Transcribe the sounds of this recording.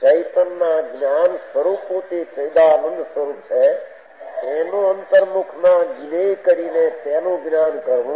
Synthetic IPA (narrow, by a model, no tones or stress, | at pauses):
t͡ʃəjt̪ənːaɡnjansəɾupot̪et͡ʃəjd̪aːnənd̪ʱsəɾup̚t͡ʃʰe | t̪enoənt̪əɾmukʰmaɡinekəɾinet̪enoɡnaːnkəɾũ